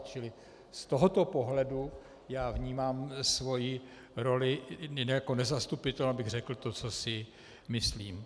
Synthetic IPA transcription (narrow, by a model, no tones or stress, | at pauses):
t͡ʃɪlɪ | st̪o̞ɦo̞t̪o̞po̞ɦlɛdu | jaːvɲiːmaːmsvo̞ji | ɾo̞lɪɛjakonɛzast̪upɪt̪ɛlnabɪɣr̝ɛkl̩t̪ot͡so̞sɪ | mɪsliːm